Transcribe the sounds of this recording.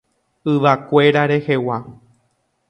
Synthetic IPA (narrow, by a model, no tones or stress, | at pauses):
ɨʋakʷe̞ɾaɾe̞he̞wa